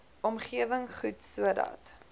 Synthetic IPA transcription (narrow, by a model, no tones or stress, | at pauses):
ɔmχiəvəŋχutsuədɐ̰t